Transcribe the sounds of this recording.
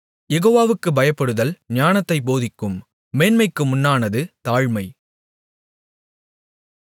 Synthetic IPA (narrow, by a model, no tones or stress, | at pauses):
jɛɣoːʋaːʋɯkːɯbɐjɐpːɐɽɯðɐlɲaːnɐt̪ːɐɪpoːðɪkːɯmː | eːnmɐɪkːɯmʊnːaːnɐðɯt̪aːɻmɐɪ